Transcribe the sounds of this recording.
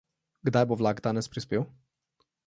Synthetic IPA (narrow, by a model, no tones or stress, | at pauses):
ɡd̪ajbovlaɡd̪aːnɛspɾispʲew